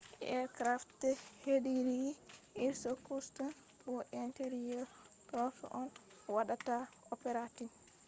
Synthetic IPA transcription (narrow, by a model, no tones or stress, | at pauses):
ʔɛ̰ɾkɾaftɛheɗiɾiʔiɾsɔkustɔn | bɔʔɛnteɾijɔɾ | ɗɔtɔ̰ʔɔn | waɗataɔpɛɾatin